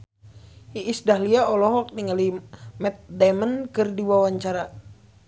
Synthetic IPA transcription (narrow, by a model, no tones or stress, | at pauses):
iʔːsdahliaɔlɔɦɔk̚niŋalimɛt̪̚dɛmənkɨrdiwawaɲt͡ʃaɾa